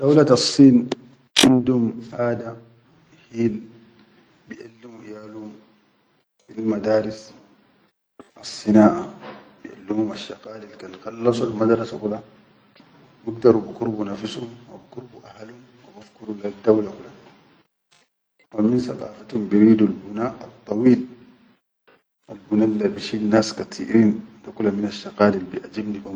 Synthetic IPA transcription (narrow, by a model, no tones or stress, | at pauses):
d̪̥awlat̪ɑsˤːiːn | ʔind̪umʔaːd̪a | hiːl | biʔalːimujaːlum | filmad̪aːɾis | ʔɑsˤːɨnaːʔabiʔa̰lːimumaʃːɑqaːlilkanxɑlːɑsˤulmad̪ɾˤɑsakula | biɡd̪ɑɾubikuɾbunafsumwabkuɾbuʔahalhum | wabafkuɾulad̪awlakula | waminsɑqɑ̰ːfat̪humbiɾiːd̪ulbunaːʔɑt̪ˤːɑwiːl | albunalːabiʃiːlnːaːskat̪ʰḭːʔɾiːnd̪akulaminaʃːɑqaːlilbiʔad͡ʒibniba